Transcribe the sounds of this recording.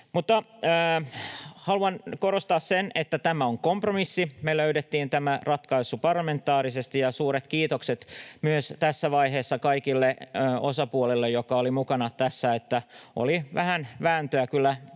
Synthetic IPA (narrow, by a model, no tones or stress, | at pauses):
mut̪ːɑː | hɑluɑnkoɾost̪ɑːssenet̪ːæt̪æmæoŋkompromisːimeløyɾet̪ːiːnt̪æmærɑt̪kɑisupɑrlːɑme̞nt̪ːˑɑːɾisest̪ijɑsuːɾet̪kiːt̪okset̪myøst̪æsːæʋɑiɦeːsːɑkɑikilːeosɑpuolelːejokɑolimukɑnɑt̪æsːæet̪ːæo̰liʋæhænʋæːnt̪øækylːæ